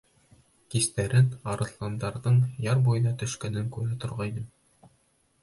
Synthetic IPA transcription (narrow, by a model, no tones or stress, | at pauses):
kist̪æɾɘnɑɾɤ̆slˠɑnd̪ɑɾðɤɴjɑɾbujðɑt̪ɵ̆ʃkænɘŋkʉɾæt̪ŏɾʁɑinɘm